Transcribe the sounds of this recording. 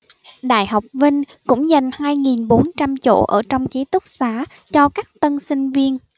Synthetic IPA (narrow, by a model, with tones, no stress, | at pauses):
ɗa̰ː˧˨jɦa˨˩wk͡p̚vï˧ŋ̟ | kʊ̰˧˥ŋ͡mza˨˩jŋ̟haː˧jŋi˨˩nɓo˨˦nt͡ɕa˧mt͡ɕo̰˧˩ʔəː˧˩t͡ɕɔ˧wŋ͡mt͡ɕi˨˦t̪ʊ˦˥k͡p̚saː˨˧˥ | t͡ɕɔ˧kaː˦˥k̚t̪ə˧nsï˧ŋ̟vi˧ən